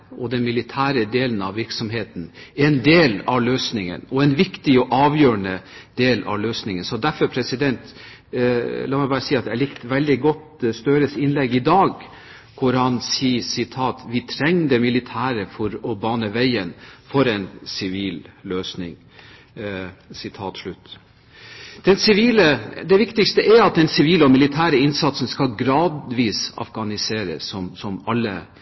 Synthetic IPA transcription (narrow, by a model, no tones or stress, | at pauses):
ɔd̪ɛnmɪlɪt̪ʰæːɾəd̪eːlənɑʋʋɪɾksɔmɦeːt̪n̩ɛɛnd̪eːlɑʋløːsnɪŋə̰nɔɛnʋɪkt̪ɪɔʔɑːʋjøːɾəɳəd̪eːlɑ̰ʋløːsnɪŋənsɔd̪æɾfɔɾpʰɾɛsɪd̪ɛnt̪ | lɑmɛɪbɑːɾəsiːɑt̪d̪ælɪkt̪ʋɛld̪ɪɡɔt̪st̪œːɾəsɪnlɛɡːɪd̪ɑːɡ | kʰʊɾhɑnsiːsɪt̪ʰɑːt̪ʋɪt̪ʰɾɛŋːd̪ɛmɪlɪt̪ʰæːɾəfɔɾɔbɑːnəʋæɪənfɔɾɛnsɪʋiːlløːsnɪ̰ŋ | sɪt̪ʰɑːt̪ʂlʉt̪ː | d̪̥ɛnsɪʋiːləd̪ɛʋɪkt̪ɪkst̪əʔæɾɑt̪̚d̪ɛnsɪʋiːlɔmɪlɪt̪ʰæːɾəɪnsɑt̪sənskɑlɡɾɑːd̪ʋiːsɑ̰fɡɑnɪseːɾə̰sɔmsɔmɑlːə̰